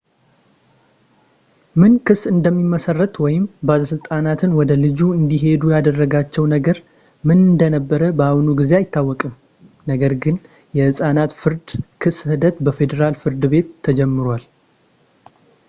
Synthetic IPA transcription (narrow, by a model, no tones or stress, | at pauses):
mɨnkɨsːɨnd̪əmːiməsərːət̪wɔjɪmbaləsɨlt̪ʼanat̪ʰɨnwɔd̪əlɨd͡ʒuɨnd̪iɦe̞d̪ujad̪ərːəɡat͡ʃːɛwnəɡəɾ | mɨnɨnd̪ənəbːəɾəbəanuɡize̞ajɪt̪ʰːawːɔkʼɨm | nəɡəɾɡɨn | jɛhɨsʼanat̪fɨɾd̪kʰɨshɨd̪ət̪bəfe̞d̪eɾalfɨɾd̪ɨβe̞t̪ʰːəd͡ʒɛmːɨɾwal